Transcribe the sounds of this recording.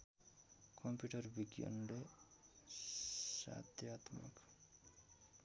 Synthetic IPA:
kʰʌmpjuʈʌrbiɡjʌ̰nle | sa̰d̪jat̪mʌ̰k

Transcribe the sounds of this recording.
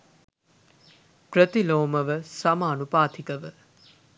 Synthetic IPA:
prət̪iloːməʋəsamaːnupaːt̪ʰikəʋə

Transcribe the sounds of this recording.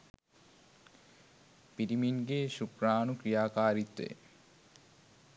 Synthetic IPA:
piɾiminɡeʃukɾaːnukɾijaːkaːɾit̪ːḛ

